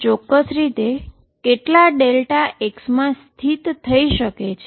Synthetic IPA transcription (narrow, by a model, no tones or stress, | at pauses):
t͡ʃɔkːəsɾit̪e | keʈlaɖelʈaʔeksmãst̪ʰit̪ʰːəiʃəket͡ʃʰe